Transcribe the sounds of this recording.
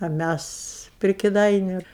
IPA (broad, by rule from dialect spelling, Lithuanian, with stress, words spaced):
ɐ ˈmʲæs pʲrʲɪ kʲɪˈdɐɪnʲʊ